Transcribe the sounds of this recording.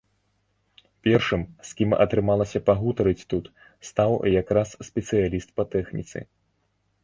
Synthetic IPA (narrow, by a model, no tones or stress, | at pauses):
pʲɛrʂɨmsʲkʲimɐ̰t̪ɾɨmalˠɐsʲɐpaɣut̪ɐɾɨt͡sʲt̪ut̪ | st̪awjakɾasːpʲɛt̪sɨjalʲist̪̚pɐt̪ɛxnʲḭt̪sɨ̰